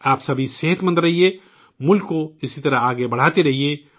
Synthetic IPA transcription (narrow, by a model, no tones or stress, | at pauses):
aːpsɐbʱiseɦət̪mə̃nd̪ɾɐɦie | mʊlkːoɪsit̪ɐɾaaːɡebɐɽ̤aːt̪eɾɐɦie